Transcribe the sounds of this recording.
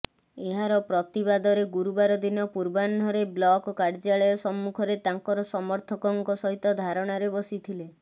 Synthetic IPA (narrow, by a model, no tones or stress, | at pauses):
eɦaɾɔpɾɔt̪iβad̪ɔɾeɡuɾubaɾɔd̪inɔpuɾbanɔɾeblɔkɔkaɾd͡ʒaɭɔjɔsɔmːukʰɔɾet̪aŋkɔɾɔsɔmɔɾt̪ʰɔkɔŋkɔsɔɦit̪ɔd̪ʱaɾɔɽ̃aɾebɔsit̪ʰile